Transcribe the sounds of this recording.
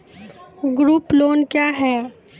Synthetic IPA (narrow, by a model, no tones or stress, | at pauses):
ɡɾuːploːnkjaːɦɛː